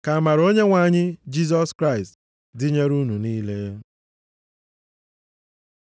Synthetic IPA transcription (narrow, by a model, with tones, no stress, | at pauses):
ka˨ma˨ɾo˦ɲe˦ŋʷa˨ɲɪ˦d͡ʒi˦z̬ɔ˦skɾa˦ɪ˨st | dɪ˦ɲe˦ɾu˦nu˨niː˦le˦